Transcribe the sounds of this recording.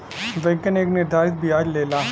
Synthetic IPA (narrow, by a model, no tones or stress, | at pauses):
ʋeɡəneːknɪɾd̪ʱaːɾɪt̪̚biɦaːɾleːlaː